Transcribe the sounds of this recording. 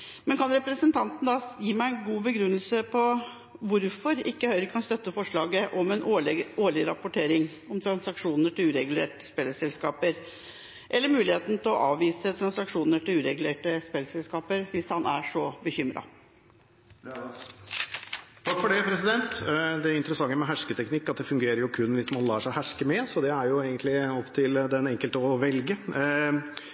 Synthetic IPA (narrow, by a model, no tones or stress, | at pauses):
mɛnkʰɑnɾɛpɾəsənt̪ʰɑnt̪n̩d̪ɑːjiːmæɪɛnɡuːbəɡɾʉnːəlsəpʰɔ | ʋʊɾfɔɾɪkːəhœʏɾəkʰɑnst̪œt̪ːəfɔʂɭɑːɡəʔɔmɛnoːɭɪɾɑ̰pʊʈʰeːɾɪŋ | ɔmt̪ʰɾɑnsɑkʂuːnəʈɪlʉːɾɛɡʉlḛːʈə̥spelːəsɛlskɑːpəɾ | ʔɛlːəɾmʉːlɪheːt̪n̩t̪ʰɪlɔʔɑːʋiːsət̪ʰɾɑnsɑkʂuːnəʈʰɪlʉːɾɛɡʉleːʈəspelːsɛlskɑːpəɾʋɪshɑnʔæʂɔbəçʏmɾɑ̰ | t̪ʰɑkfɔɖɛpʰɾɛsɪd̪ɛnt̪d̪ɛɪnt̪əɾəsɑŋːəmɛɦæʂkət̪ʰɛknɪkːɑt̪̚d̪ɛfʉŋɡeːɾəɾjʊkʰʉnːʋɪsmɑnlɑːʂæɪhæʂkəmɛsɔd̪ɛæɾjʊeːɡənt̪lɪɔpt̪ʰɪld̪ɛnɛŋkəlt̪əːʋɛlɡə